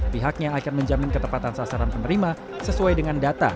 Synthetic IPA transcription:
piɦak̚ɲaːkanməɲd͡ʒamɪnkət̪əpat̪ansasaɾanpənəɾima | səsuajdəŋandat̪a̰

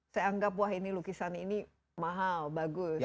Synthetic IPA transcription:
sajaaŋɡapwaɦinilukisanini | maɦalbaɡʊ

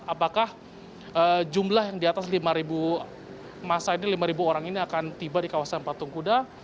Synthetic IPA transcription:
apakah | əd͡ʒumlahjaŋdiat̪aslimaɾibu | masainilimaɾibuoɾaŋiniakant̪ibadikawasanpat̪uŋkuda

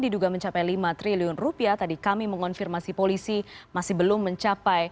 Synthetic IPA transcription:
diduɡaməɲt͡ʃapajlimat̪ɾiliʊnrupiat̪adikamiməŋɔnfirmasipolisimasɪhbəlʊmːəɲt͡ʃapaj

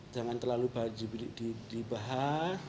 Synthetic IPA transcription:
d͡ʒamant̪ərlalubad͡ʒibdidibaɦa

